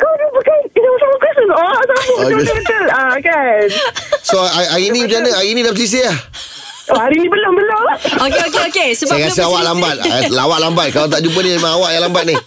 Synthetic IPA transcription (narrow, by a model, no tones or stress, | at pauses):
ɡodibukanisaməkɛsəsɔsamut̪əlakansoaaɾinĩpt͡ʃanəaɾinĩdapəs̬is̬əah | oaɾinĩbəlombəlookeokeokesəbakasəawaʔlambat̪̚lawaʔ̚lambat̪̚kalat̪aʔd͡ʒup̬ənimaŋawaʔjalambat̪̚nih